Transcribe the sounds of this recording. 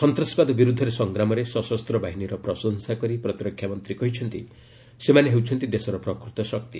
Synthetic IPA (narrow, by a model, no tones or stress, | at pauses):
sɔnt̪ɾɔspad̪ɔbiɾud̪ʱːɔɾesɔŋɡɾamɔɾesɔsɔst̪ɾɔbaɦiniɾɔpɾɔsɔŋsakɔɾipɾɔt̪iɾɔkʰːjamɔnt̪ɾikɔɦit͡ʃʰɔnt̪ḭ | semaneɦewt͡ʃʰɔnt̪id̪esɔɾɔpɾɔkɾut̪ɔsɔk̚t̪i